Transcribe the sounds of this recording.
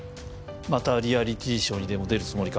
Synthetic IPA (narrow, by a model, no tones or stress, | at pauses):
mat̪aɾʲiaɾʲit̪e̞ːɕõ̞ɲ̟ːid̪e̞mo̞d̪e̞ɾɯ̟t͡sɨmo̞ɾʲika